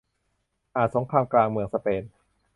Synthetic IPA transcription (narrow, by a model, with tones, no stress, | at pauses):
ʔaː˨˩t̪̚so˩˦ŋkʰaː˧mklaː˧ŋmɯ˧əŋsa˧peː˧n